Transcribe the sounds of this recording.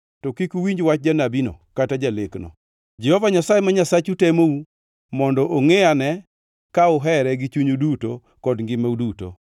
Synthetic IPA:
tɔkikuwiɲd͡ʒwat͡ʃ̚d͡ʒanabino̰katad͡ʒaleknɔ̰ | d͡ʒɛhɔvaɲasajemaɲasat͡ʃutɛmou | mɔndɔʔoŋeanɛ | kaʊɦɛɾɛɡɪt͡ʃuɲuduto | kɔdŋɡɪmauduto̰

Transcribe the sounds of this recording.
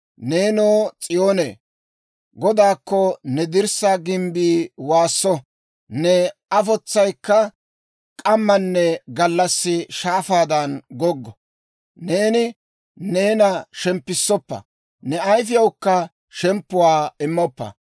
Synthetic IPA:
ne̞ːnoːt͡sʼɪjoːnḛː | ɡɔd̪aːkːɔnɛd̪ɪɾsɐɡɪmbiːwaːsːɔ | nɛɐfɔt͡sːɐjkːɐ | kʼɐmːɐnːɛɡɐlːɐsːɪʃaːfaːd̪ɐnɡɔɡːɔ | ne̞ːnɪ | ne̞ːnɐʃɛmpːɪsːɔpːɐ̰ | nɛɐjfɪjɐwkːɐ | ʃɛmpːʊwaːɪmːɔpːɐ̰

